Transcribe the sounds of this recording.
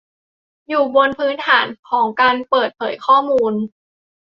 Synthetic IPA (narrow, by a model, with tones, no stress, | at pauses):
juː˨˩bo˧npʰɯː˦˥nt̪ʰaː˩˦nkʰɔː˩˦ŋkaː˧npɤː˨˩t̪̚pʰɤː˩˦jkʰɔː˥˩muː˧n